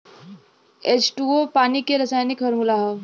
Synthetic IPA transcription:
et͡ʃʈuopaːnikeɾɐsaːjnɪkɦɐɾmulaɦɐ

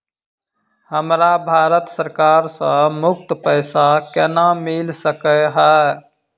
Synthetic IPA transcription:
həmɾabʱaːɾət̪səɾkaːɾsə̃mʊk̚t̪pəɪsakɛnamɪlsəkəɦɛː

